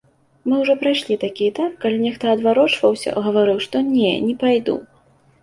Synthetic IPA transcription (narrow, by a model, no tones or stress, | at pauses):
mɨwʐɔpɾajʂlʲit̪akʲiɛt̪apkalʲinʲɛxt̪ɔɐd̪vaɾɔt͡ʂvɐwsʲɐ̰ɣɐvaɾɨwʂt̪ɔnʲɛ̰nʲɛpajd̪ṵ